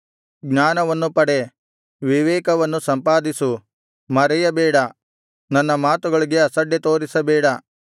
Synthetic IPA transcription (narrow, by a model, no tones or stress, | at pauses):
ɡɲaːnɐʋɐnːupɐɽe̞ | ʋiʋɛːkɐʋɐnːusɐmpaːd̪isu | mɐɾɛjɐbɛːɽɐ | nɐnːɐmaːt̪uɡɐɭiɡe̞ɐsɐɖːet̪oːɾisɐbɛːɽɐ